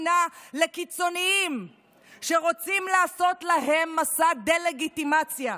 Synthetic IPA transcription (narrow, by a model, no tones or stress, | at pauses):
nale̞kit͡so̞niim | ʃe̞ʁot͡simlaːso̞tlaɦe̞mːasad̪e̞le̞ɡit̪imat͡sja